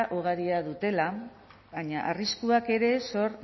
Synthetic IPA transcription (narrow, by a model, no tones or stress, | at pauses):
ʔuɣ̞aɾiaðut̪e̞la | βaɲaʔariskuake̞ɾe̞so̞ɾ